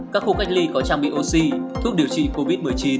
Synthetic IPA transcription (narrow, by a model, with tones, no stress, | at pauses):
kaː˦˥k̚xu˧xa˦˥jk̚li˧kɔ˨˦t͡ɕaː˧ŋɓḭ˧˨ʔo˧si˧t̪ʰu˦˥k̚ɗi˨˩əwt͡ɕḭ˧˨ko˧vi˦˥t̚mɨ˨˩əjt͡ɕi˨˦n